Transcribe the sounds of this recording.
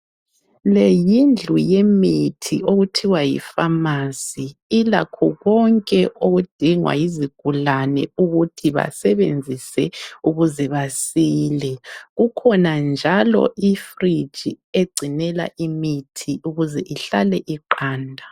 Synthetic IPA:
lejind͡ɮʱujemitʰḭʔoɣutʰiwajḭfamasiila̰kʰɔɣɔŋkʼɛʔoɣud̥ʱiŋwa̰jiziɡ̥ʱulanɛ̰uɣutʰiβa̰sɛβend͡zʱisɛuɣuzɛβasiːlɛɣukʰɔnand͡ʒʱalɔ̰ʔifri̥ʒ̥ʱi | eɡ͡ǀʱinɛla̰ʔimitʰiʔuɣuzɛʔiɬalɛʔiǃaːndʱa

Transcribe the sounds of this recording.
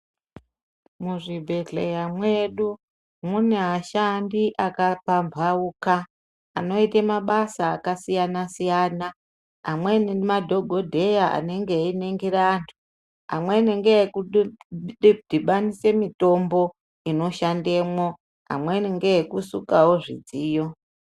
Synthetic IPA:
muʐibʱe̞ɮejamwe̞ɗu | muneɦaʃandiʔakapambʱauːka̰ː | no̞itemaɓasaːkasijanasijaːna | ɦa̰mwenimadʱo̞ɡʱodʱe̞jaa̰neŋɡe̞ineŋɡeɾaːntʰu̥ | ɦa̰mweneŋɡeeku | dʱiɓanise̞mito̞mbo̞ | ino̞ʃandeːmo | ɦa̰mweneŋɡeekusukawo̞ʐḭd͡ziːjo

